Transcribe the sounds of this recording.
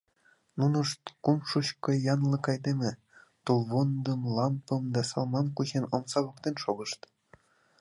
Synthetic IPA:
nunɤ̆ʃt̪kumʃuɕkɤ̆jɑnlˠɤ̆kɑjd̪emʲĕ | t̪ulˠβond̪ɤ̆mlˠɑmpɤ̆md̪ɑsɑlˠmɑnkut͡ɕenŏmsɑβokt̪enʃoɣɤ̆ʃt̪

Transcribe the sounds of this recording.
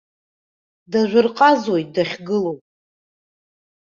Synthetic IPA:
daʒʷʊrqʼazwojt̚ʼdaχʲɡɨlowpʼ

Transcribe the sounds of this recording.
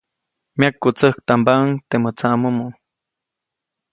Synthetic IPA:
mjakːut͡səhkt̪ambaŋt̪emət͡saʔmumu

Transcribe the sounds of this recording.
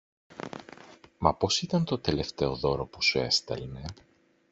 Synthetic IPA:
mɐpo̞sit̪ɐnt̪o̞t̪e̞le̞ft̪e̞oðo̞ɾo̞pusue̞̰st̪ɐ̰lne

